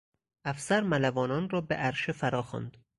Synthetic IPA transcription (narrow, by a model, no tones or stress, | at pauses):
ʔæfsæɾmælævɒːnɒːnrɒːbeʔæɾʃefæɾɒːxɒ̰ːnd̪